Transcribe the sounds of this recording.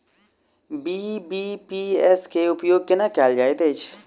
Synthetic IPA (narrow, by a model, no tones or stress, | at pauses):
biːbiːpiːɛskeʊpjoːɡ̚kɪnakɛːld͡ʒaːet̪eːt͡ʃʰ